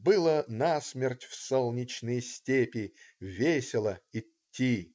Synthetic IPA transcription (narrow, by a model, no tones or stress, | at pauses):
bɨlˠənasmʲertʲfsolˠnʲɪt͡ɕnɨjəsʲtʲepʲɪvʲesʲɪlˠəɪ | tʲʰːi